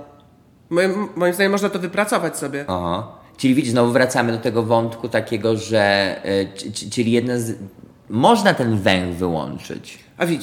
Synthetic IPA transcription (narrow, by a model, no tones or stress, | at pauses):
mɔmːɔjimzd̪aɲeɛmːɔʐnat̪ɔvɘpɾat̪sɔvat͡ɕsɔbʲjɛɔɦat͡ʃɘlʲivʲid͡ʑizɔvuvɾat̪samɘd̪ɔt̪ɛɡɔvɔnt̪kut̪akʲɛɡɔʐɛ | t͡ʂɘlʲijɛd̪naz | mɔʐnat̪ɛnvɛ̃ŋɡvɘwɔ̰nt͡ʂɘ̰t͡ɕ | ʔavʲid͡ʑi